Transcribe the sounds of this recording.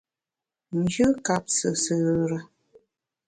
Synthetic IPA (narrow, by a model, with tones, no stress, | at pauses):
n̩˨d͡ʒʉ˦ka˨p̚sə˨sə˨ɾə˦